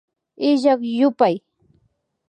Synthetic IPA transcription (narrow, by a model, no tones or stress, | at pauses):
ɪʒɑkjʊpaj